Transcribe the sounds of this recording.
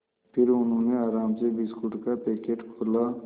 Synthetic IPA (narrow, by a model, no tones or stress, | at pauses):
pʰɪɾʊnɦõːneaːɾaːmsebiskʊʈkapeːkeːʈkʰoːla